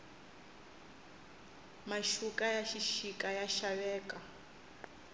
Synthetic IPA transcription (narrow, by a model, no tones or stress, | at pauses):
maʃukʼajaʃiʃikʼajaʃawɛːkʼa